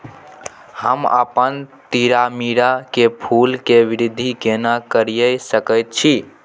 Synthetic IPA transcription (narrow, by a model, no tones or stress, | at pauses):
həmə̰pənt̪iɾamiɾakepʰulkeʋiɾid̪ʱːikenakəɾijəjsəkəjt̪̚t͡ʃʰi